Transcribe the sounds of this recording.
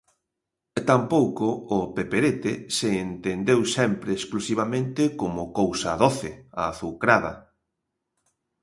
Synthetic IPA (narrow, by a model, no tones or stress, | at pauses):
t̪ampowkʊːpepeɾet̪eseːnt̪end̪ewsɛmpɾeːsklusiβ̞amẽnt̪ɪkomʊkowsaðoθeaːθukɾaðɐ̰